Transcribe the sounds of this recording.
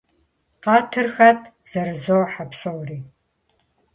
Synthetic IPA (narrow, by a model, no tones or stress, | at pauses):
qɑːtʰɨrxɐtʰʼz̥ɐrɨzowħapsowriː